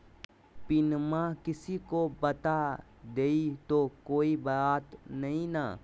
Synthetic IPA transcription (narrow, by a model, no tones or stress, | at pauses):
pɪnmakɪsikobɐt̪a | d̪eːit̪okoːibəaːt̪nɐɦĩna̰ː